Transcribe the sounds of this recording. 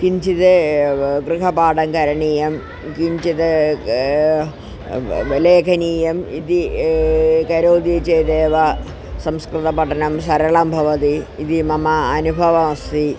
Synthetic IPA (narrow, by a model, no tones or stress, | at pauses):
kiɲt͡ɕiðɨɡrɨɦɐbaːɖɐŋkɐɾɐɳiːjɐm | kiɲt͡ɕiðɨ | leːkʰɐniːjɐmiði | kɐɾoːd̪it͡ɕeːd̪eːʋɐ | sɐmskrɨt̪ɐpɐʈʰɐnɐmsɐɾɐɭambʱɐʋɐt̪iːðimɐmɐːnubʱɐʋɐmɐst̪i